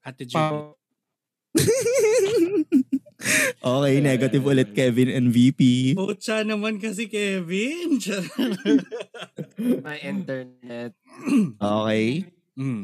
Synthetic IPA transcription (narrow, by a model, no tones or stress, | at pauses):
at̪ɪd͡ʒ | ʔoːkɛjnɛːɡɐt̪ɪvʊlɛt̪̚kɛːvɪnɛnvipipuːt͡ʃanɐmankɐs̬ɛkɛːvɪnt͡ʃa | mɐjʔɪnt̪ɛɹɛt̪̚ʔoːkɛj̩